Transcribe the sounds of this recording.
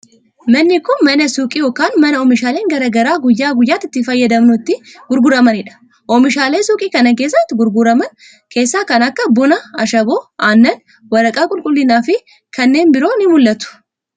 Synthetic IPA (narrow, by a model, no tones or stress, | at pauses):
mɐnːɪkʊnmɐnɐsuːkʼijoːkaːnmɐnɐɔmɪʃaːle̞ːŋɡɐɾɐɡɐɾaːɡʊjːaːɡʊjːaːt̪ːɪt̪ːɪfɐjːɐd̪ɐmnʊɪt̪ːɪɡʊɾɡʊɾɐmɐnɪᶑɐ̥ | ʔɔmɪʃaːleːsuːkʼiːkɐnɐkeːs̬ːɐt̪ːɪɡʊɾɡʊɾɐmɐn | kʰe̞ːsːaːkɐnɐkːɐbʊnɐɐʃɐboːʔaːnːɐn | wɐɾɐkʼaːkʼʊlkʼʊlːɪnaːfɪ | kɐnːe̞ːnbɪɾo̞ːnɪmʊlːɐt̪ʊ̥